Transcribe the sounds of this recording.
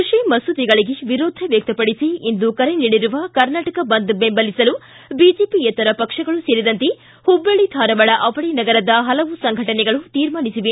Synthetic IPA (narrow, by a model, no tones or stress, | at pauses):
kɾuʂimɐsud̪iɡɐɭiɡeʋiɾoːd̪ʱɐʋjɐk̚t̪ɐpɐɽisiend̪ukɐɾeniɽiɾuʋɐkɐɾnaːʈɐkɐbɐnd̪bembɐlisɐlu | biːd͡ʒeːpiɛt̪ːɐɾɐpɐkʂɐɡɐɭuseːɾid̪ɐnt̪e | hubːɐɭid̪ʰʱaːɾɐʋɐɭɐʔɐʋɐɭinɐɡɐɾɐd̪ɐɦɐlɐʋusɐŋɡʱɐʈɐnɛɡɐɭut̪iːɾmaːnisiʋe